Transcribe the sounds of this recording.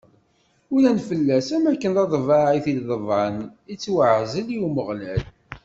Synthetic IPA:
ʊlænfəlːæsæmækːənɑðˤvɑʕiθilðəvˤʕənit͡sːwəʕzəljuməʁlæl

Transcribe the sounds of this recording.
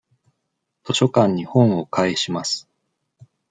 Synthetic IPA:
t̪o̞ɕo̞kãɲ̟ːihõ̞ɰ̃o̞kʰaeɕimasɨ̥

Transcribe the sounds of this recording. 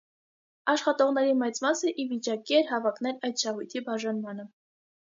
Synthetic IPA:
ɑʃχɑt̪ɔʁn̪ɛɾimɛt͡smɑsəʔivit͡ʃɑkiɛɾɦɑvɑkn̪ɛɾɑjt̪ʃɑɦujt̪ʰibɑʒɑnmɑn̪ə

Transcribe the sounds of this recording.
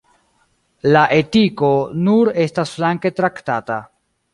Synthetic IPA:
laʔe̞tiko̞nuɾe̞stasflaŋke̞tɾaktata

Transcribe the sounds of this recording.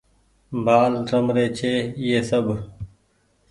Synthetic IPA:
baːlɾɐmɾeːt͡ɕʰeːjeːsɐb

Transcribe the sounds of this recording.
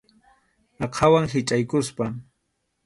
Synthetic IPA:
ɑqʰawaŋɦɪt͡ʃʼajkʊspa

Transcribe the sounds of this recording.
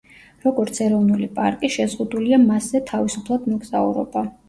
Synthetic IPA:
ɾɔɡɔɾt̪sʰɛɾɔvnulipʼa̰ɾkʼiʃɛzʁud̪uliamaszɛt̪ʰavisupʰlˠad̪mɔɡz̥aṵɾɔ̰ba

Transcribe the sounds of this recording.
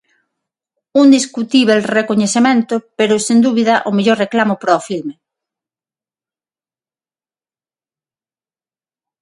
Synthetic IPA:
und̪iskut̪iβelrekoɲeθemẽnt̪opeɾosend̪uβiðaʔomeʎoɾreklamopɾaofilme

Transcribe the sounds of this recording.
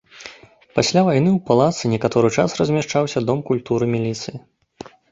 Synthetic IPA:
pasʲlʲavajn̪ɨwpalˠat̪sɨnʲɛkat̪ɔɾɨt͡ʂasrɐzʲmʲaʂt͡ʂawsʲɐd̪ɔmkulʲt̪uɾɨmʲilʲit̪sɨji

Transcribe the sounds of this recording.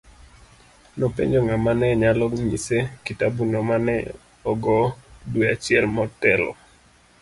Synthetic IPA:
nopḛɲd͡ʒoŋamanɛɲalɔɲḭsekitabunɔmanɛ | ɔɡɔdweat͡ʃɪɛlmɔtɛlɔ̰

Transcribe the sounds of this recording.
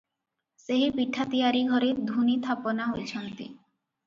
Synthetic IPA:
seɦipiʈʰːat̪ijaɾiɡʱɔɾeɾd̪ʱunit̪ʰaponaɦojt͡ɕʰɔnt̪ḭ

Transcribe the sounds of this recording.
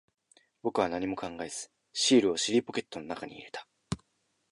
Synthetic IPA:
bo̞kɯ̟β̞anaɲ̟imo̞kãŋɡae̞z̥ɨ̥ | ɕiːɾɯ̟o̞ɕiɾʲipo̞kʲe̞t̪ːo̞no̞nakaɲ̟ḭḭɾe̞̥t̪ʰḁ

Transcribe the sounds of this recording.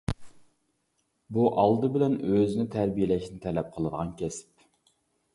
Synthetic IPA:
buʔɑlˠd̪ɨbɪlɛnøzɪnɪt̪ʰæɾbijelɛʃnɪt̪ʰɛlɛp̚qʰəlˠəd̪əʁɑnkʲʰɛsp

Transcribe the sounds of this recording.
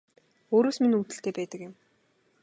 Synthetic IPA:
oːɾoːsminut̪ɘ̆ɬt̪eːpæːt̪ə̆kjɪ̆m

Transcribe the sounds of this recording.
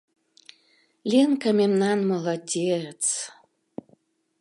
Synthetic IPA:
lʲenkamʲemnanməlˠadʲet͡s

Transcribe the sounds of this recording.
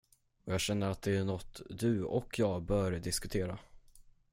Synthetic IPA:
ɔjɑːɡɕɛnːəɾat̪̚d̪ɛænɔt̪ːd̪ɵɔkʰːjɑːɡbœːɾd̪ɪskɵt̪ʰeːɾa

